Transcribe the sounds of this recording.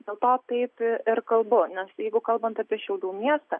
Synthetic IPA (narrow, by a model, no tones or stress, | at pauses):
d̪ʲeːlˠt̪oːt̪ɐɪpɪɾkɐlˠbʊnʲɛsjɛɪɡʊkɐlˠbɐnt̪ɑːpʲiɛʃʲɛʊd̪uːmʲiɛst̪ɐː